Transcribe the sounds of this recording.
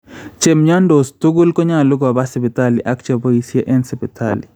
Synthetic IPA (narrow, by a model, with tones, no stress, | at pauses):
t͡ʃe˨mɲa˦ndo˨st̪u˦ɡu˦lkɔ˦ɲa˦˨lʊ˦ɡa˨ba˦sɪ˨bɪ˨t̪a˦li˨ʔa˦kt͡ʃa˨bo˦i˦sje˦ʔɛ˦nsipi˨t̪ʰa̰lḭ